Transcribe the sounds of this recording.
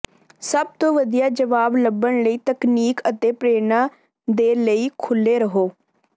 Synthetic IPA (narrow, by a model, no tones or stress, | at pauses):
səb̚t̪õːʋəd̪ijaːd͡ʒəʋaːbləbːəɳləiːt̪əkniːkət̪eːpɾeːnaː | d̪eːləiːkʰʊlːeːɾəɦoː